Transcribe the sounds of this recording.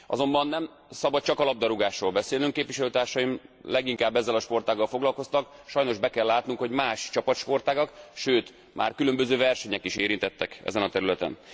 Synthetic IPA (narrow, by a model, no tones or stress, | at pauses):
ʔɒ̰zo̞mbɒnːɛm | sɒbɒt̪̚t͡ʃɒkɒlɒb̚d̪ɒɾuɡaːʃroːlbɛseːlyŋkːeːpʋiʃɛløːt̪aːrʃɒjimlɛɡiŋkaːbːɛzːɛlɒʃpo̞rt̪aːɡːɒlfo̞ɡlɒlko̞st̪ɒkʃɒjno̞ʒbɛkɛlːaːt̪nuŋkho̞ɟmaːʃt͡ʃɒpɒt̪ʃpo̞rt̪aːɡɒkʃøːt̪ | ma̰ːrkylø̞mbøzøːvɛrʃɛɲɛkiʃeːɾint̪ɛt̪ːɛkɛ̰zɛnɒt̪ɛɾylɛt̪ɛ̰n